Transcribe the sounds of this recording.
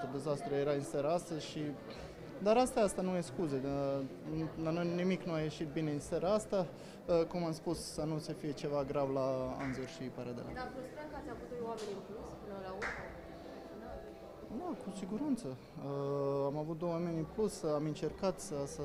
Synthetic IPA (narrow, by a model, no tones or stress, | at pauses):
əd̪e̞zast̪ɾuje̞ɾaɨnsaɾaast̪əzʃi | d̪aɾast̪aast̪anujeskuzenulanojnimiknuaje̞ʃit̪̚bine̞ɨnsaɾaast̪a | əkumamspussənusəfije̞t͡ʃe̞vaɡɾavlaa̰nzorʃipaɾad̪ela̰apust̪ɾakəat̪sʲjavut̪̚d̪ojwame̞nʲɨmpluspɨnəlauɾm | d̪a | d̪akusiɡuɾant̪sə | əamavut̪̚d̪owwamenʲɨmplusamɨnt͡ʃe̞rkat̪səsə